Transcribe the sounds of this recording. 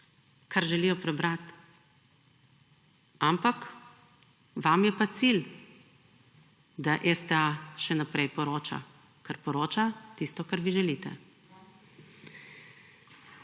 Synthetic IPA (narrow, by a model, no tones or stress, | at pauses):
kʰaɾʒɛlijɔpɾɛbɾat̪ | ampak | ʋamjɛpat̪sil | d̪aʔɛst̪ɛaʃɛnapɾɛjpɔɾoːt͡ʃa̰ | kaɾpɔɾoːt͡ʃat̪ist̪ɔkaɾʋiʒɛliːt̪ɛ̰